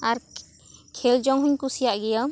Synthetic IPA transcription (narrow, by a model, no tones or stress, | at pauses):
aɾ | kʰeld͡ʒɔŋɦuɲkusijaʔɡɛja